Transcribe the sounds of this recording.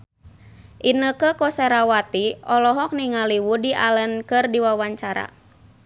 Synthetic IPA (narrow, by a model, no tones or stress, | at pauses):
ʔinəkəkɔsɛɾawat̪iʔɔlɔɦɔk̚niŋaliwudiʔalənkɨrdiwawaɲt͡ʃaɾa̰